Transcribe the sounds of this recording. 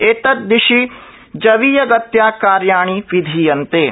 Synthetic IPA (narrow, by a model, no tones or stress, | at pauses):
eːt̪ɐt̪̚d̪ɪʃi | d͡ʒɐʋiːjɐɡɐt̪jaːkaːɾjaːɽ̃iːʋɪd̪ʱiːjɐnt̪eː